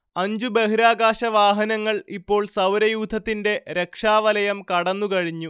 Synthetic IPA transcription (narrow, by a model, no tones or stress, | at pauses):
ɐɲd͡ʑube̞ɦuɾaːɡaːɕɐʋaːɦɐnɐŋːɐɭipːo̞ːɭsɐwɾɐjuːd̪ʱɐt̪ːinde̞ɾe̞kʂaːʋɐlɐjɐmkɐɽɐnːukɐɻiɲːu